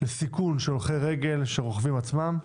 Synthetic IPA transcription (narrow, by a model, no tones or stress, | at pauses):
lesikunʃeolχejʁeɡe̞lʃeʁoχvimat͡smam